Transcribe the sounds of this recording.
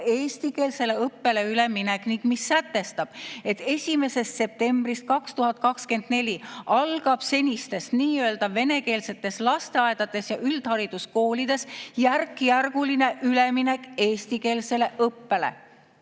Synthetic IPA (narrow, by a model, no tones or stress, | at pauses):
e̞ːsʲt̪ike̞ːlse̞le̞ɤpːe̞le̞yle̞minekniŋɡ̥misːæt̪ːe̞st̪ɑb̥e̞t̪ːe̞sʲime̞se̞st̪se̞p̚t̪e̞mbrist̪̚kɑkst̪uɦɑt̪̚ˑkɑkske̞nd̪̥ne̞lʲiɑlɡ̥ɑb̥se̞nʲist̪e̞st̪niːø̞ld̪ɑvːe̞ne̞ke̞ːlse̞t̪ːˑe̞slɑst̪eɑe̞d̪̥ɑt̪ːe̞sjɑʔyld̪̥hɑɾid̪̥usko̞ːlid̪̥e̞sjærkˑːjærɡ̥uline̞ʔyle̞mine̞kˑe̞ːst̪ike̞ːlse̞le̞ʔɤpːe̞lḛ